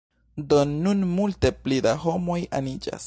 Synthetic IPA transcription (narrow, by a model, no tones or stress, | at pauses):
d̪onːunmult̪eplid̪aɦomoja̰nid͡ʒa̰s